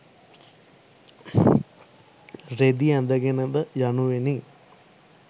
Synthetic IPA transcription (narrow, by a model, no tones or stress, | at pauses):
ɾed̪iɛnd̪ɐɡenɐd̪ɐjɐnuʋeni